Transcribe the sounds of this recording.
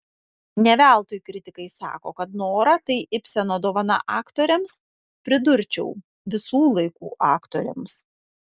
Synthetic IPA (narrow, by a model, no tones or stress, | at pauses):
nʲɛʋʲæˑlˠt̪oːjkɾʲɪt̪ʲɪkɐɪsɑ̰ːko̰ːkɐt̪noːɾɐt̪ɐɪʔɪpʲsʲɛnoːd̪oːʋɐnɐ̰ʔɑːkt̪oːɾʲɛms | pʲɾʲɪd̪ʊɾʲt͡ʃʲɛʊ | ʋʲɪsuːlˠɐɪkuːʔɑːkt̪oːɾʲɛ̰ms